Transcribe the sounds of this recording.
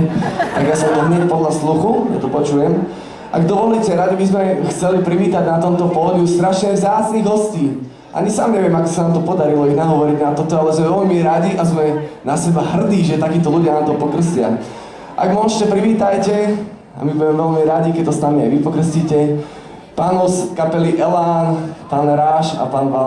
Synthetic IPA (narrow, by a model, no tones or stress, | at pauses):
t̪a̰ɡjasɔ̃nt̪ɔɦɲɛcpɔd̪lasluxuja̰t̪ɔpɔt͡ʃujɛm | ʔa̰ɡd̪ɔʋɔliːcɛɾad̪ibizmɛxt͡sɛlipɾiʋiːt̪aɟnat̪ɔmt̪ɔpɔɦɔɟust̪ɾaʃɲɛvzaːt͡sniɣɦɔsciː | ʔa̰ɲisaːmɲɛʋɪɛmakɔ̥sanaːmt̪ɔpɔd̪aɾilɔinaɦɔʋɔɾiɟnamt̪ɔt̪ɔalɛzmɛʋɛlmiɾaɟiʔazmɛnasɛbaɦr̩d̪iːʒɛt̪akiːt̪ɔluɟjanaːmt̪ɔpɔkrəslɪa̰ | ʔa̰ɡmɔʃcɛpɾiʋiːt̪ajcɛ | a̰mibuɟɛmɛʋɛlmiɾaɟikɛt̪ɔsnamia̰jʋipɔkɾ̩əsciːcɛ | paːnɔskapɛliʔɛlaːnpaːnɾaːʃa̰paːnʋal